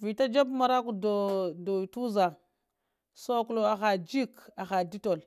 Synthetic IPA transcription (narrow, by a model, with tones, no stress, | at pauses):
vi˨ta˦d͡ʒa˦bma˨ɾa˦ku˨do˨do˨tu˦za˨ | so˦ku˦lo˦˨a˨xa˨d͡ʒi˦ka˨xa˨di˦to˨l